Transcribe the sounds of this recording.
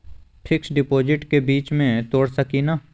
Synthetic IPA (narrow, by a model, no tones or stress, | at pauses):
pʰɪksɖɪpoːd͡ʒɪʈkebiːt͡ʃmẽt̪oːɽsəkina